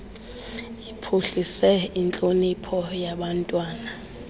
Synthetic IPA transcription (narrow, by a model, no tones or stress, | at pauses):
ipʰuɬisɛint͡ɬʼonipʰɔjaɓantʼwaːna